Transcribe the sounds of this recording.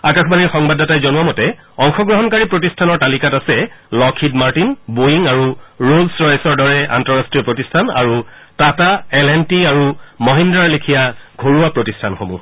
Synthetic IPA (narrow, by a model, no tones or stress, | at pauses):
akaxbaniɹxɔŋbadatajzɔnuamɔtɛ | ɔŋxɔɡɹɔɦɔnkaɹipɹotistʰanɔɹtalikatasɛlɔkʰitmaɹtinbojiŋaɹuɹolsɹɔjsɔɹdɔɹɛʔa̰ntɔɹastɹijɔpɹotistʰana̰ɹutataɛlɛntiaɹumɔɦindɹalekʰijaɡʱoɹuapɹotistʰanxomṵ